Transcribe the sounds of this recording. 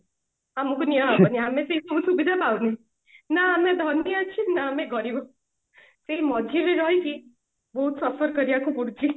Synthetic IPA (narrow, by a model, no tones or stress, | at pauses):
amukunijaɦapʌniameseɦisɔbusubid̪ʱapawne | naːmed̪ʱʌniat͡ʃʰinaːmeɡʌɾibɔ | seɦimɔd̪ʱileɾʌɦjki | bɔɦut̪sʌfɔɾkʌɾiakupuɽt͡ʃʰi